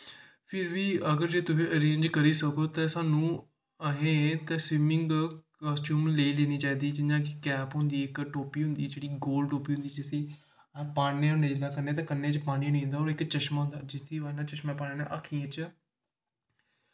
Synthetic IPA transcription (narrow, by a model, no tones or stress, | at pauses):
pʰɪɾʋiːəɡəɾd͡ʒeːt̪ʊsĩːəɾẽːɲd͡ʒkəɾiːsəkoːt̪ɛ̃ːsaːnũː | əɦẽːt̪ɛ̃ːsʋɪmɪ̃ŋɡkɔːsʈjuːmleileːniːt͡ʃaːiːd̪iːt͡ʃɪd͡ʒãːkɪkɛːpɦʊ̃nd̪iːɪkʈoːpiːɦʊnd̪iːd͡ʒeːɽiːɡoːlɖʈoːpiːɦʊ̃nd̪iːd͡ʒəsĩː | paːɽẽːɦʊ̃nd̪eːd͡ʒɪlaːkənːeːt̪̬ãːkənːẽːt͡ʃpaːɽ̃ĩːnĩːɦnd̪aːɦoːɾɪkt͡ʃəʃmaːɦʊ̃nd̪aːd͡ʒɪt̪ʰːeːanãːt͡ʃəʃmãːpaːneːnḛ̃ːʔakʰiːãːt͡ʃ